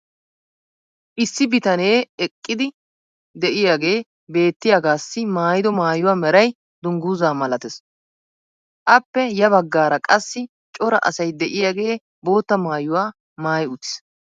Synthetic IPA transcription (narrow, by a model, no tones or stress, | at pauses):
ʔɪsːɪbɪt̪ɐne̞ːɛkʼːɪd̪ɪ | d̪ɛʔɪjaːɡe̞ː | be̞ːt̪ːɪjaːɡaːsːɪmaːjɪd̪ɔmaːjʊwaːmɛɾɐj | d̪ʊŋɡuzaːmɐlɐt̪ɛs | ʔɐpːɛjɐbɐɡːaːɾɐkʼɐsːɪ | t͡ʃʼɔɾɐ̰ʔɐ̰sɐjd̪ɛʔɪjaːɡe̞ː | bo̞ːt̪ːɐmaːjʊwaː | maːjʊt̪ːɪ̥s